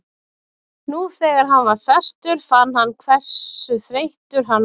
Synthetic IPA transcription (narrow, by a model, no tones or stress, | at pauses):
nuθɛːɣaɾ̥ɦanvaɾ̥sɛst̪ʏɾ̥fanːhanːkʰvɛ̥sʏθɾejht̪ʏɾ̥ɦan